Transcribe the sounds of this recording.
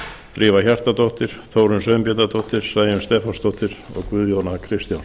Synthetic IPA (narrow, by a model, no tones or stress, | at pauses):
t̪ɾʔiːvaçar̥t̪at̪ɔht̪ɪɾ̥θowɾʏnsœːɥmpjɛt̪at̪ɔht̪ɪɾ̥saːjɪʏmst̪ɛːfanst̪ɔht̪ɪɾɔ̰ɣkvʏðjownakʰɾɪst̪jawn